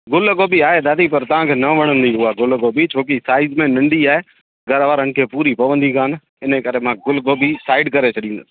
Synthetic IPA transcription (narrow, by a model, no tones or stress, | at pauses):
ɡʊlɡoːbiaːɦed̪aːd̪ipɐɾt̪ɐʋ̤ãkʰeːnɐʋɐɽ̃ə̃nd̪iʊɦaɡʊlɡoːbit͡ɕʰoːkisaːɪzmẽnɐ̃ɳɖiaːɦe | ɡɐɾʋaːɾənɪ̆kʰeːpuːɾipɐʋə̃nd̪ikʰaːn | ɪnəkɐɾemãɡʊlɡoːbisaːɪɖkɐɾet͡ɕʰɐɗĩnd̪əs